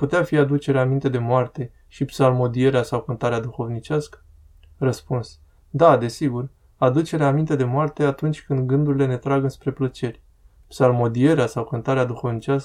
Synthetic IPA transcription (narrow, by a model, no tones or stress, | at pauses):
put̪eafiad̪ut͡ʃe̞ɾeamint̪e̞d̪e̞moart̪e̞ | ʃipsalmo̞d̪ie̞ɾeasawkɨnt̪aɾead̪uxo̞vnit͡ʃʲaskə̥ | rəspuns | d̪ad̪e̞siɡur | ad̪ut͡ʃe̞ɾeamint̪e̞d̪e̞moart̪e̞at̪unt͡ʃʲkɨnd̪ɡɨnd̪uɾile̞ne̞t̪ɾaɡɨnspɾe̞plət͡ʃe̞rʲ | psalmo̞d̪ie̞ɾeasawkɨnt̪aɾead̪uxo̞vnit͡ʃaskə